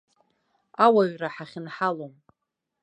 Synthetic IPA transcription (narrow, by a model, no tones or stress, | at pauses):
awaɥraħaχʲɪnħalom